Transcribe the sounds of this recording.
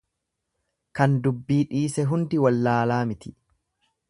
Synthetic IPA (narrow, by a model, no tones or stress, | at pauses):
kɐnd̪ʊbːiːᶑiːsɛɦʊnd̪ɪwɐlːaːlaːmɪt̪ɪ̥